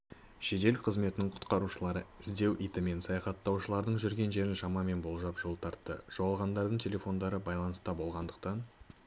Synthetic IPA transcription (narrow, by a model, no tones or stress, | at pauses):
ʃe̞d̪e̞lqʰəzme̞t̪ɪnɪŋɴqʰʊ̥t̪qɑɾuʃəlˠɑɾəɪzd̪e̞wʔijt̪ɪme̞nsɑjɑχɑt̪ːɑwʃəlˠɑɾd̪əɴʒʏɾɡʲe̞nʒe̞ɾɪnʃɑmɑme̞nbo̞lˠʒɑpʒo̞lˠt̪ʰɑɾt̪ːəʒ̥owɑlˠʁɑnd̪ɑɾd̪əɴt̪ʰʲe̞le̞fo̞nd̪ɑɾəbɑjlˠɑnəst̪ɑbo̞lˠʁɑnd̪əq̚t̪ɑn